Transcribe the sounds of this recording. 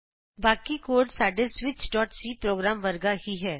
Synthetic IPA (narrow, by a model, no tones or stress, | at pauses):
baːkikoːɾɖsaːɖesʋɪt͡ʃɖɔːʈsiːpɾoːɡɾaːmʋəɾɡaɦiɦɛː